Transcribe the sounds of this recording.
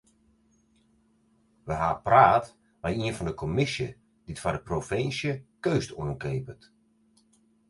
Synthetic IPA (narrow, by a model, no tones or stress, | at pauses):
ʋəɦaːpraːt | ʋajiənfɔndəkʰɔmɪsjə | d̥itfadəprofɪnsjəkøːstuənkeːpət